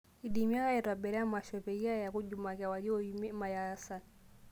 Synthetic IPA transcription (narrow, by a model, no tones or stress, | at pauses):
iɗimiakaɛtwaɓɛɾɛamaʃɔpɛiajakuʄumakawaliɔumimajasan